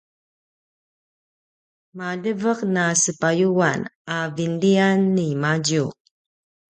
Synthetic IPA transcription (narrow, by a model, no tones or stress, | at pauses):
maɮəvəqnasəpajuwanavindianːimaɟu